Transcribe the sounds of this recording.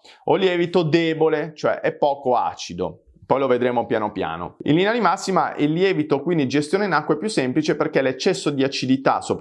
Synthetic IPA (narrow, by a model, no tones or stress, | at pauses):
oljɛːvit̪od̪eːbolet͡ʃoɛ̰ʔɛpːɔːkoa̰ːt͡ʃid̪o̰ | pɔjloved̪ɾeːmopjanoapja̰ːno̰ḭlːineanimasːima̰ʔɛ̰lːjɛːvit̪okwind̪id͡ʒest̪joːneinakːwepjusːemplit͡ʃeperkelet͡ʃːɛsːod̪iat͡ʃid̪it̪a̰sːop